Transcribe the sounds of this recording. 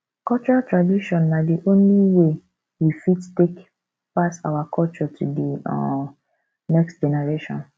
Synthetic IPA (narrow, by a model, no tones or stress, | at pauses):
kɔt͡ʃɔɹatɹadiʃɔ̃nːadiʔõnliwe | wifittek | pasa̰wakʰɔlt͡ʃɔtʰudiɔ̰ | nɛkstd͡ʒɛneɹeʃɔ̰̃n